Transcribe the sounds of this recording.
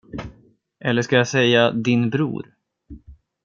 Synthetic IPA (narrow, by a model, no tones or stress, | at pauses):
ʔɛlːəʂkajasɛjːad̪ɪnbɾṵːɾ